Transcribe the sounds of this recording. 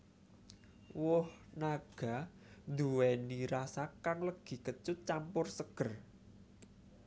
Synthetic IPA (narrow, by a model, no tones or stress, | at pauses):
wʊhnaɡ̥a̤ | nd̪uwɛniɾasakaŋləɡ̥i̤kət͡ʃʊt̪̚t͡ʃampʊrsəɡ̥ə̤r